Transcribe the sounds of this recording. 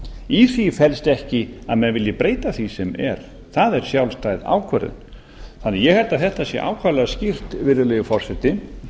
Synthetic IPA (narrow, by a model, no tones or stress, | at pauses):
iθifɛlst̪ɛhcɪa̰ðmɛnvɪljɪpɾeːjt̪aθisɛmɛ̰ɾ̥ | θaðɛɾ̥sjawlst̪ajða̰ːwkʰvɛɾʏ̰n | θanːɪajɛhɛlt̪aðθɛht̪asjɛ̰ʔa̰ːwkʰaɾlɛascɪr̥t̪vɪɾðɪlɛjʏfɔr̥sɛt̪ɪ